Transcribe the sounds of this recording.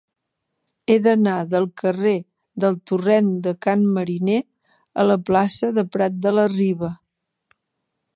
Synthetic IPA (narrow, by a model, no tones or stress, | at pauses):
eðənaðəlˠkəre | d̪əlˠt̪urɛnd̪əkanməɾine | ə̰ləplasəðəpɾat̪̚d̪ələriβə